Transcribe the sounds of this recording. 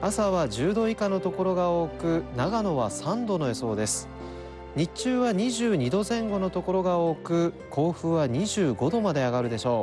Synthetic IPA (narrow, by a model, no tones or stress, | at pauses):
asaβaʑɨːd̪o̞ikano̞t̪o̞ko̞ɾo̞ɡao̞ːkɯ̟naɡano̞βasãnd̪o̞no̞e̞so̞ːd̪e̞sɨ̥ | ɲ̟it͡ɕɨːβaɲ̟iʑɨːɲ̟id̪o̞zẽ̞ŋɡo̞no̞t̪o̞ko̞ɾo̞ɡao̞ːkɯ̟ | kʰo̞ːɸɯ̟ːβaɲiʑɨːɡo̞d̪o̞mad̪e̞aɡaɾɯ̟d̪e̞ɕo̞ː